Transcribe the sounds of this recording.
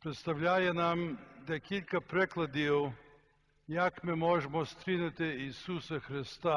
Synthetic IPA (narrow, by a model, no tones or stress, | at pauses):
pɾɛt̪st̪awʎʲaːjɛnamd̪ajekʰilʲkapɾeklad̪io | jakmɛmoːʒɛmɔst̪ɾinat̪ɪisusaxɾɪst̪a